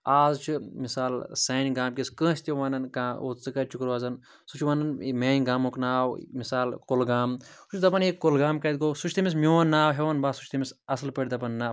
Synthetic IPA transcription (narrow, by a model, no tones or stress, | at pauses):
aːzt͡ʃʰimisaːlsɐːnʲɡaːmkʲiskə̃ːsʲt̪ʲeʋaːnɐnkaːo̰ːt͡sɨkɐt͡ʃʰukɨɾʋaːzɐn | sut͡ʃʰʋanɐnmʲeːnɡaːmoknaːwmisaːlkolɡaːmsut͡ʃʰd̪ɐpɐnekːolɡaːmkɐt̪̚ɡoːsut͡ʃʰt̪ɐmis̬mʲiɐnːaːwɦeɐnbaːsu̥t͡ʃʰt̪ʰɐmisɐslpɐɽʲd̪ɐpɐnːaː